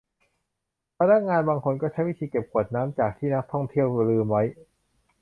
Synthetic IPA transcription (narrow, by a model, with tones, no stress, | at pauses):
pʰa˧na˦˥k̚ŋaː˧nbaː˧ŋkʰo˧nkɔː˥˩t͡ɕʰa˦˥jwi˦˥t̪ʰiː˧ke˨˩p̚kʰu˨˩ət̪̚naː˦˥mt͡ɕaː˨˩k̚t̪ʰiː˥˩na˦˥k̚t̪ʰɔ˥˩ŋt̪ʰi˥˩əwɾɯː˧ma˦˥j